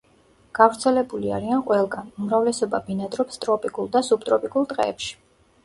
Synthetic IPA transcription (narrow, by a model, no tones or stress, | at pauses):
ɡ̥avɾt̪sʰɛlɛbulia̰ɾianqʼwɛlˠɡanumɾavlɛsɔbabinad̪ɾɔpst̪ʼɾɔpʼikʼulˠd̪asub̚t̪ʼɾɔpʼikʼulˠt̪ʼqʼɛ̰ːpʃi̥